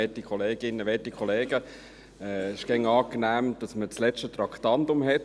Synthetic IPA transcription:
ɛtikʰɔleːɡ̥ɪnːəʋɛtikχɔleːɡə | ɛɪʃɡ̥ɛŋːɑːknæːmd̥ɑsmət͡slɛʃtət̪ɾɑktɑndʊmɦɛt

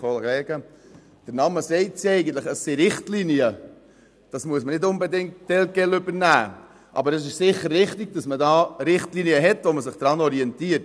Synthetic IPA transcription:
oləɛːɡ̥ə | d̥əɾnɑməsɛɪtsiɛɪɡən̩tləχəsːiɾɪχtliniə | d̥ɑsmuəsmənɪdʊnbɛdɪŋ̚td̥ɛlɡ̥ɛlʏbəɾnæː | ʔɑ̰bəɾɛs̬ɪʃsɪχːəɾʋɪχtɪɡ̥̚d̥ɑsmədɑːɾɪχtliniəɦɛtʋoməsɪχd̥ɾɑnɔɾiɛntiəɾt

